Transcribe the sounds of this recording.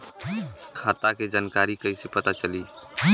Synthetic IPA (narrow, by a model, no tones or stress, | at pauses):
kʰaːt̪aked͡ʒankaɾikəisepət̪at͡ʃəli